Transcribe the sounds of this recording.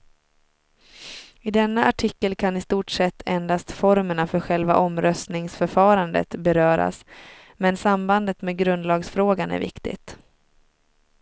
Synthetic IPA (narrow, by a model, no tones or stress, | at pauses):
ɪd̪ɛnːaʔaʈʰɪkːəlkʰanɪst̪uːʈsɛt̪ʰːɛnd̪ast̪fɔɾməɳafœɾɧɛlva̰ʔɔmɾœst̪nɪŋsfœɾfɑːɾand̪ə̰t̪bɛɾœːɾa̰s | mɛnsamband̪ət̪meːd̪ɡɾɵnd̪lɑːɡsfɾoːɡanæ̰ɾvɪ̰kt̪ɪ̰t̪